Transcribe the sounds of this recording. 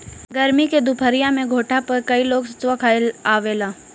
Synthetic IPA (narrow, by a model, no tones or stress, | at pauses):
ɡɐɾmiked̪upʰəɾijamẽɡʱoːʈʰapɐɾkɐiloːɡsɐ̥t͡ʃʋakʰaːelaːʋeːlaː